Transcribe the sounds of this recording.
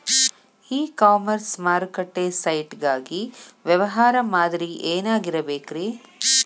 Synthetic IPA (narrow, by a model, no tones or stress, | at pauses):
iːkaːmɐɾsmaːɾkɐʈːesɐjʈɡaːɡiʋjɛʋɐɦaːɾɐmaːd̪ɾiʔeːnaːɡiɾɐbeːkɾeː